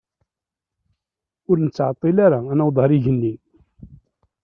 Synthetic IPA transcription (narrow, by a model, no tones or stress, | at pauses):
ʊɾnət͡sːʕat̪ˤːilaɾaænæwd̪ˤɑɾiʝənːin